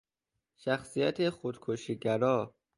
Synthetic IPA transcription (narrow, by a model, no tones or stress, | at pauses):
ʃæxsijæt̪ʰexod̪̥kʰoʃiːɟæɾɒː